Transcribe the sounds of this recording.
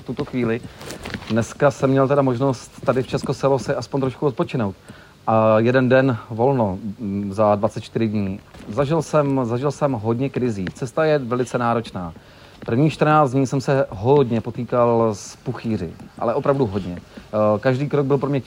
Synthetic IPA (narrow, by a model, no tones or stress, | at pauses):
ft̪ut̪o̞xviːlɪdnɛskasɛmɲɛlt̪ɛdamo̞ʒno̞st̪ːadɪft͡ʃɛskosɛlosɪʔaspoɲt̪ɾoʃkuot̪pot͡ʃɪno̞wt̪ | ʔajɛdɛndɛnvo̞lno̞zadvatt͡sɛt̪̚t͡ʃt̪ɪɾɪdɲiːzaʒɪlsɛmzaʒɪlsɛmɦo̞dɲɛkɾɪziːt͡sɛst̪ajɛvɛlɪt͡sɛnaːɾo̞t͡ʃnaː | pr̩vɲiːt͡ʃt̪r̩naːd͡zd̪ɲiːsɛmsɛɦodɲɛpo̞t̪iːkalspuxiːrɪ̰ʔa̰lɛʔo̞pɾavduɦo̞dɲɛkaʒdiːkɾoɡ̚bɪlpɾomɲɛ